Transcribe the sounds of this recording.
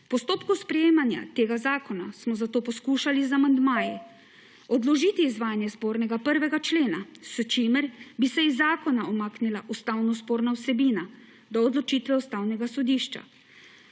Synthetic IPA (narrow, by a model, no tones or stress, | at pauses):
pɔst̪oːpkuspɾɛjeːmanja̰t̪eːɡazaːkɔnasmɔzat̪oːpɔskuːʃalizamand̪maːjɛ | ɔd̪lɔʒiːt̪iːzʋaːjanjɛspoːɾnɛɡapəɾʋɛɡat͡ʃleːnast͡ʃimɛɾbisɛizːaːkɔnaɔmaːknilaʔust̪awnɔspoːɾnawsɛbiːna | d̪ɔːd̪lɔt͡ʃit̪ʋɛust̪awnɛɡasɔd̪iːʃt͡ʃa̰